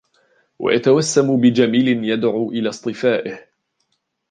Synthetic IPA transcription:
wa̰jʔat̪awasːambɪd͡ʒamiːlɪnjad̪ʕuːʔɪlaːsˤt̪ˤɨfaːʔɪh

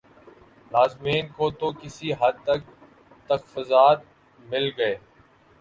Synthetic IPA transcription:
laːzmiːnkot̪okɪsiɦɐd̪̚t̪ɐk̚ | t̪ɐxfʊzaːt̪̚ | mɪlɡɐeː

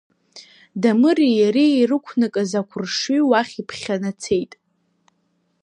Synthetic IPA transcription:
damɨrijaɾeirɨkʷʰnɨkʼazakʷʰʊrʂɥiwaχʲipʰχʲanat͡sʰe̞jtʼ

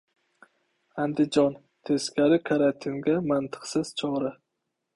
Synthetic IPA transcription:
and̪ɪd͡ʒɒn | t̪ʰe̞skʲaɾɪkʰaɾant̪ʰɪnɡʲamant̪ʰɨ̥qsɪz̥t͡ʃʰɒɾa

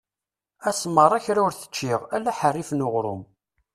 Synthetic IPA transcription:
æsməɾˤæçɾaʊɾθə̥t͡ʃːiʁælːæħərːifnʊʁɾˤʊ̰m

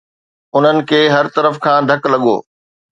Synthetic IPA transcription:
ʊn̤ənɪ̆kʰeːɦɐɾt̪ɐɾəfkʰãːd̪ʱɐklɐɠo̰ː

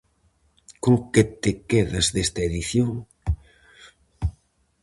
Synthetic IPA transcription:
koŋket̪ekeðɐzðest̪ɐeðiθjoŋ

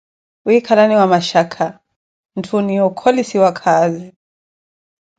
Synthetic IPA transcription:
wikʰalaniwamaʃakʰa | n̩tʰuniɔkʰɔlisiwakʰazi

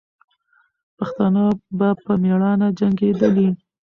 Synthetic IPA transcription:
paxt̪ɑnəbapəmeɽɑnad͡ʒaŋɡed̪əli

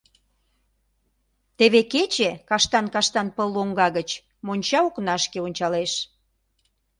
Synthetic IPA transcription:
t̪eβeket͡ɕekɑʃt̪ɑnkɑʃt̪ɑnpəlːoŋɡɑɣət͡ɕ | monʲt͡ɕɑoknɑʃkeonʲt͡ɕɑleʃ

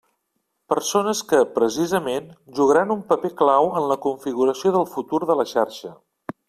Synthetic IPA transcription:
pəɾsonəskəpɾəsizəmenʒuɣəɾanumpəpeklawənləkuɱfiɣuɾəsioðəlˠfut̪uɾðələʃaɾʃə

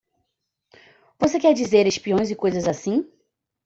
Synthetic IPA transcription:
vosekɛɾd͡ʒizeɾeʃpiõj̃zɪkojzɐzasĩ

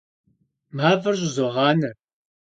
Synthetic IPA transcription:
maːvɐrɕʷʼzoʁɑːnɨ

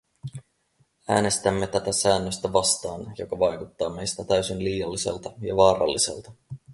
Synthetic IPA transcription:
æ̰ːnest̪æmːe̞t̪æt̪æsæːnːøst̪æʋɑst̪ɑːnjo̰kɑʋɑjkut̪ːɑːme̞jst̪æt̪æɥsinliːjɑlːise̞̰lt̪ɑjɑ̰ʋɑːɾɑ̰lːise̞̰lt̪ɑ

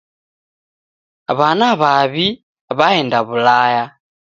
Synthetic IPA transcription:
βanaβaβi | βaɛndaβulaja

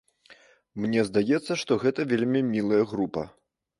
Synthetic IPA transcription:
mnʲɛzd̪ajɛt̪sːɐʂt̪ɔɣɛt̪ɐvʲelʲmʲimʲilˠɐjɐɣɾupɐ̰

